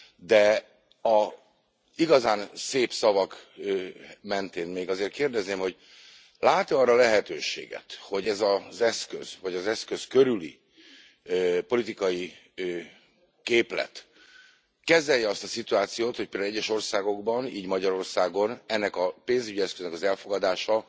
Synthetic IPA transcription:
d̪ɛ | ɒ | iɡɒzaːnseːpsɒvɒk | mɛnt̪eːnmeːɡɒzeːrt̪keːrd̪ɛzneːmho̞ɟ | laːt̪oɒrːɒlɛɦɛt̪øːʃḛːɡɛ̰t̪ho̞ɟɛzɒzɛskø̰z̥vɒɟɒzɛskø̞skøɾylḭ | po̞lit̪ikɒji | keːplɛ̰t̪ | kɛzɛjːɛɒst̪ɒsit̪uaːt̪sijoːt̪hoc̚peld̪alːɛɟːɛʃo̞rsaːɡo̞ɡbɒnḭːɟmɒɟɒɾo̞rsaːɡo̞nɛnːɛkɒpeːnzyɟiɛskøznɛkɒzɛlfo̞ɡɒd̪aːʃɒ

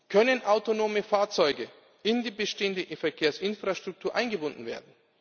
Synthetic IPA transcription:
kʰœnənʔaʊtonoːməfaːɐt͡sɔʏɡə | ɪndiːbəʃteːəndəfɛɐkʰeːɐsʔɪnfʁ̥aʃtʁ̥ʊk̚tʰuːɐʔaɪnɡəbʊndn̩vḛːɐdn̩

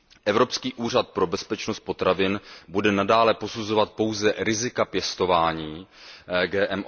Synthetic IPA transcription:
ʔɛvɾo̞pskiːʔuːr̝at̪̚pɾo̞bɛspɛt͡ʃnost̪̚po̞t̪ɾavɪnbudɛnadaːlɛpo̞suzo̞vat̪̚po̞wzɛɾɪzɪkapjɛst̪o̞vaːɲiː | ɡɛːʔɛm

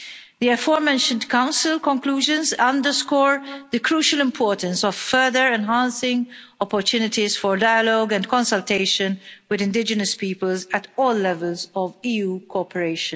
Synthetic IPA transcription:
d̪iɛfɔːɹmɛ̃nʃə̃ndkãʊ̃nsɪlkɔ̃ŋkluːʒə̃nzʌ̃ndəskɔːɹðəkɾuːʃəlɪ̃mpʰɔːɹtə̃nsɔvfɛd̪əɹɛ̃nɦãnsɪ̃ŋ | ɔpɔɾt̪ʰjuːnɪtizfɔɹdajəlɔɡɛ̃ndkɔ̃nsəlteɪʃə̃nwɪðɪ̃ndɪd͡ʒənəspiːpəlzætɔːlːɛvəlzɔviːjuːkʰɔpəɹeɪʃə̃n

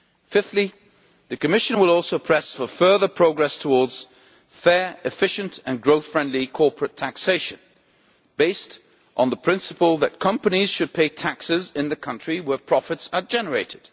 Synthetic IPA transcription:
fɪftˡli | ðɨkɨmɪʃɨ̃nwəlˠɔlˠsoʊpʰɹ̥ɛsfəfɜ˞ðə˞pʰɹ̥oʊɡɹɛstʰəwɔɹdz̥ | fɛɹɨfɪʃɨ̃ntɨ̃nɡɹoʊθfɹɛ̃ndˡlikʰɔɹpʰɹɨtʰækseɪʃɨ̃n | b̥eɪst | ʔn̩ðəpʰɹ̥ɪ̃nsəpəlˠðət̚kʰʌ̃mpəniz̥ʃɨd̚pʰeɪtʰæksɪzɪ̃nðɨkʰʌ̃nt͡ʃɹ̥iwə˞pʰɹ̥ɑfɨtsəd͡ʒɛnə˞eɪɾɨd̥

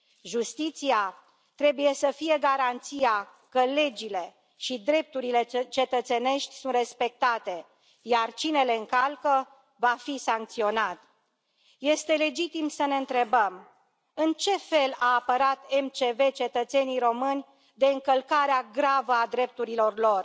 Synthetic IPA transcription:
ʒust̪it̪sia | t̪ɾe̞buje̞səfije̞ɡaɾant̪sija | kəle̞d͡ʒile̞ | ʃid̪ɾe̞p̚t̪uɾile̞t͡ʃe̞t̪ət̪se̞ne̞ʃt̪ʲsunt̪re̞spe̞k̚t̪at̪e̞ | jart͡ʃine̞le̞ɨŋkalkə | vafisaŋk̚t̪sio̞nat̪ | je̞st̪e̞le̞d͡ʒit̪imsəne̞ɨnt̪ɾe̞bəm | ɨnt͡ʃe̞fe̞laːpəɾat̪e̞mt͡ʃe̞ve̞t͡ʃe̞t̪ət̪se̞nijɾo̞mɨnʲ | d̪e̞ɨŋkəlkaɾeaɡɾavəad̪ɾe̞p̚t̪uɾilo̞rlo̞r

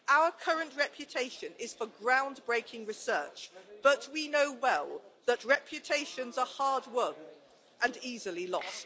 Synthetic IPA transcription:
ʔaʊəkʰʌɹə̃nʔɹɛpʰjɨtʰeɪʃɨ̃nɪz̥fəɡɹãʊ̃nbɹeɪkʰɪ̃ŋɹɨsɜ̰ˑt͡ʃb̥ʌʔ̚winoʊwɛlˠðəʔɹɛpʰjɨtʰeɪʃə̃nzəhɑɹd̚wʌ̃n | ʔə̃nizəlˠilɔ̰st

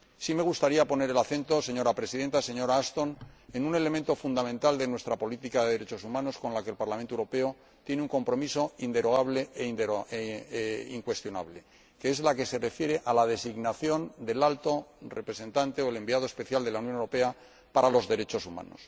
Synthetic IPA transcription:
sime̞ɣ̞ust̪aɾiapo̞ne̞ɾelaθe̞nt̪o̞se̞ɲo̞ɾapɾe̞siðe̞nt̪ase̞ɲo̞ɾaːst̪o̞ne̞nune̞le̞mẽnt̪o̞fund̪amẽnt̪ald̪e̞nwe̞st̪ɾapolit̪ikaðeðeɾe̞t͡ʃo̞sumãno̞sko̞nlake̞lpaɾlamẽnt̪oewɾo̞pe̞o | t̪je̞neuŋko̞mpɾo̞miso̞ind̪e̞ɾo̞ɣaβ̞le̞eind̪e | ḭŋkwe̞st̪jo̞na̰βle̞ | keezlake̞se̞re̞fje̞ɾe̞ʔalað̞e̞siɣnaθjo̞nd̪e̞lalt̪o̞re̞pɾese̞nt̪ant̪e̞oele̞mbiaðospe̞θjald̪e̞launjonewɾope̞a | paɾalo̞zðe̞ɾe̞t͡ʃo̞suma̰no̞̰s

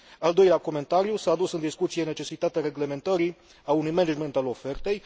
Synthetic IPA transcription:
ald̪o̞jleako̞me̞nt̪aɾijusaːd̪usɨnd̪iskut̪sije̞ne̞t͡ʃe̞sit̪at̪eaɾe̞ɡle̞me̞nt̪əɾi | aunujmened͡ʒment̪alo̞fe̞rt̪e̞j

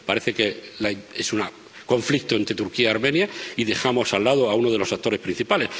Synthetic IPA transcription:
paɾe̞θe̞kelaesuna | ko̞ɱflik̚t̪oe̞nt̪ɾe̞t̪uɾkiaaɾmẽ̞njaiðe̞xamo̞salːaðoaunoð̞elo̞sat̪o̞ɾe̞spɾin̟θipale̞s

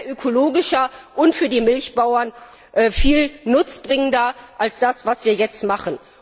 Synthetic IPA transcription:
ʔøkʰoloːɡɪʃɐʔʊntfyːɐdiːmɪlçb̥aʊɐn | ʔɛfiːlnʊt͡sb̥ʁɪŋəndɐʔalsd̥asv̥asv̥iːɐjɛt͡stmaχən

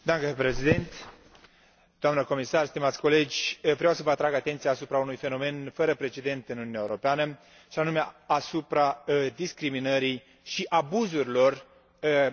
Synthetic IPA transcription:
d̪amkəpɾesid̪ent̪ | d̪oamnəko̞misarst̪imat̪sʲko̞le̞d͡ʒʲvɾeawsəvəat̪ɾaɡat̪e̞nt̪sijaːsupɾaunujfe̞no̞me̞nfəɾəpɾe̞t͡ʃe̞d̪e̞nt̪ɨnununjaeuɾo̞peanə | ʃianume̞asupɾad̪iskɾiminəɾij | ʃiʔabuzuɾilo̞r

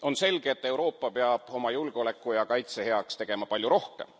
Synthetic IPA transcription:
o̞nse̞lɡ̥eet̪ːˑe̞wɾo̞ːpːɑpe̞ɑb̥o̞mɑjulɡ̥eo̞lekːˑujɑkɑjt̪se̞he̞ɑkst̪e̞ɡ̥e̞mɑpɑlʲjuɾo̞hke̞̰m

